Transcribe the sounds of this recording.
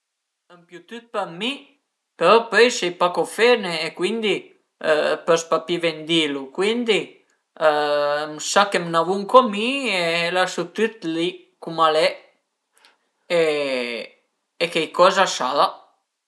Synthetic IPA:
əmpjut̪yt̪̚pami | pɛɾɔpøjsɛjpakɔfɛneːkwind̪i | pøspapivɛnd̪ilukwind̪i | msakemnavuŋkɔmielasut̪yt̪li | kumalɛ | e | kejkɔzaʃaða

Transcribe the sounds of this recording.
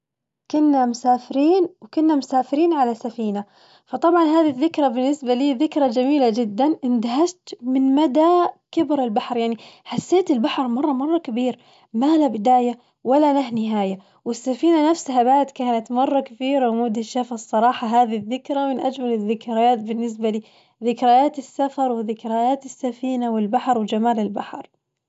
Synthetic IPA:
kʊnːamʊsaːfɪɾiːnwkʊnːamʊsaːfɪɾiːnʕalasafiːna | fɑt̪ˤɑbʕɑnɦaːðiðːɪkɾˤabɪnːɪsbaliːðɪkɾˤad͡ʒamiːlad͡ʒɪd̪ːanʔɪnd̪aɦaʃt̪mɪnmad̪akɪbɾɪlbaħɾjaʕniħasːeːt̪ɪlbaħɾˤmɑrˤːɑmɑrˤːɑkabiːɾ | malabɪd̪aːja | walːanaɦnɪɦaːja | wɪsːafiːnanafshabaːt̪kaːnat̪mɑrˤːɑkaθiːɾawmuːd̪ɪʃːafasˤːɑɾˤɑːħɑɦaːðiðːɪkɾamɪnʔa̰d͡ʒmalɪðːɪkɾajaːt̪̚bɪnːɪs̬baliː | ðɪkɾajaːt̪ɪsːafɑɾˤwɪðɪkɾajaːt̪ɪsːafiːnawɪlbaħɾˤwd͡ʒamaːlɪlbaħɾˤ

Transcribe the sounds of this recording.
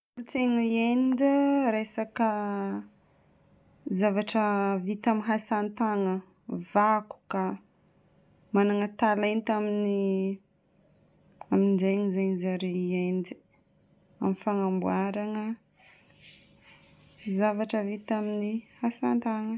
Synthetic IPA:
ult͡seŋəend̪əɾesakə | zavaʈ͡ʂəvit̪aminɦasant̪aŋə | vaku̥ka | manaŋət̪alajnt̪amini | aminizejŋizejɲizaɾeiend̪i̥ | amifaŋambuaɾaŋə | zavaʈ͡ʂəvit̪aminihasant̪aŋə

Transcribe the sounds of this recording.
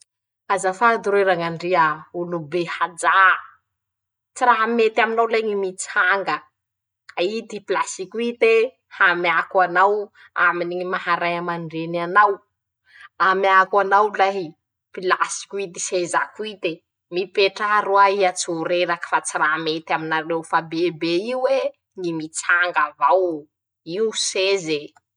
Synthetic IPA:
azafad̪uɾeɾaŋaɳɖ͡ʐiaulubehad͡za | t͡siraɦmet̪aminawlajɲimit͡si̥haŋɡə | aid̪ipilasikuit̪e | hamiakwanaw | a̰miniŋimahaɾajamaɳɖ͡ʐenanaw | amiakwanawlaɦi | pilasi̥kʲuid̪isezakuit̪e | mipeʈ͡ʂaɾuaiat͡suɾeɾakə̥fat͡siramet̪aminaɾewfabebeiwwe | ŋimit͡saŋɡavaw | iwseze

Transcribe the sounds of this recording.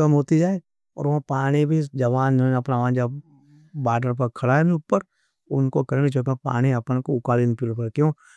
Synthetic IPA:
ɐmɦoːt̪id͡ʒaːe | ɔ̰ːɾʋɐ̃paːɽ̃ibʱid͡ʒɐʋaːnonɐpnaʋãːnd͡ʒa | baːʈəɾp̬ɐɾkʰɐɽaeniʊpːəɾ | ʊnkokɐɾẽid͡ʒoːkẽpa̰ːɽ̃iɐpnekoʊkaːlinpiːlpɐɾkjõː

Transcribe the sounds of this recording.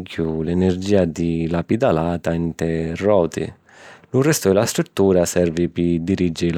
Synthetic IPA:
kʰulɛnɛrd͡ʒiːad̪ilapid̪alaːt̪aint̪ɛrːɔːt̪ḭ | lurɛst̪ʊɛlast̪ɾut̪ːuːɾasɛrvipɪd̪iɾid͡ʒɪ

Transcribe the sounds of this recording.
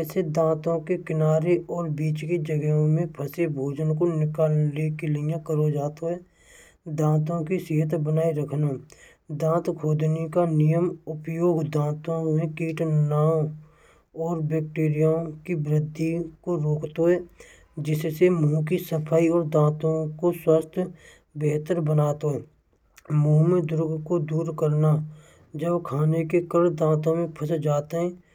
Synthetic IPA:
ɛːsed̪ãːt̪õkekɪnaːɾeʔɔːɾbiːt͡ʃked͡ʒəɡɛõmẽpʰəsebʱoːd͡ʒənkonɪkaːlekeləjãkəɾod͡ʒaːt̪oɦɛː | d̪ãːt̪õkisɪɦət̪bənaːiɾəkʰno | d̪ãːt̪kʰoːd̪nekanɪjəmʊpjoːɡd̪ãːt̪õmẽkiːʈnaːõ | ɔːɾbek̚ʈeːɾɪjakibɾɪd̪ʱːikoɾoːkt̪oɦɛː | d͡ʒɪssemũːk̬isəpʰaːiɔːɾd̪ãːt̪õkoswəst̪ʰ | beːt̪əɾbənaːt̪oɦɛː | mũːmẽd̪ʊɾʊɡʱkod̪uːɾkəɾna | d͡ʒəbkʰaːnekekəɾɽd̪ãːt̪õmẽpʰəsd͡ʒaːt̪eɦɛ̃ː

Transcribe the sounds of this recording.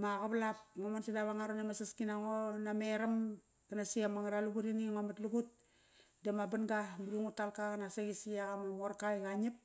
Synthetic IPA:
maɣaβlap̚ŋomansidaβaŋaɾonamasaskinaŋonameɾam | kanasiamaŋaɾaluɡuɾiniŋomatluɡut̚ | demabanɡamuluŋutːalkakanasaɡisiaɣamamoɾkajɡaɲip̚

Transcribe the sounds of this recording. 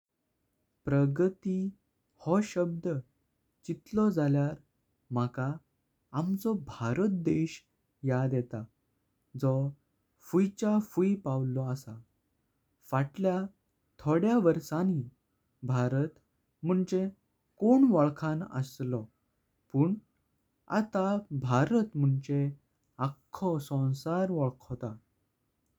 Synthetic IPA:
pɾəɡət̪i | hɔɕəb̚d̪ə | t͡ɕit̪lɔd͡zaljaɾ | m̤akaː | mt͡sɔbʱaɾət̪̚d̪eɕ | jad̪jɛt̪a | d͡zɔ | fujt͡ɕafujpawlɔəsa | faʈlja | t̪ʰoɽjaʋəɾsanɦi | bʱaɾət̪ | m̤uɳt͡ɕe | koɳʋɔɭkʰãnə̰slɔ | pəːɳ | a̰t̪abʱaɾət̪m̤əɳt͡ɕe | akʰːɔsɔ̃w̃saɾʋɔɭkʰɔt̪a

